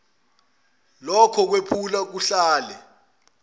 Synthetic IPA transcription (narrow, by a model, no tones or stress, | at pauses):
lɔkʰɔk̬wepʰulak̬uɬaːlɛ